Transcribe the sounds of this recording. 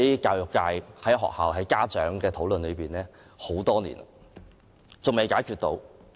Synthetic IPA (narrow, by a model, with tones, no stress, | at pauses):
jkaː˧wjʊ˨˩kːaː˧jhɐ˨˥jɦɔ̰ː˨k̚haː˨wɦɐ˨˥jkaː˥t͡ʃœː˨˥ŋkɛː˧t̪ʰo˨˥wlə˨nlɵ˨˧jpiː˨nlɛː˥ | ho˨˥wt̪ɔː˥nḭː˨˩n̰˨ | t͡sʊ˨ŋme˨jkaː˨˥jkʰyː˨t̚t̪o̰˨˥w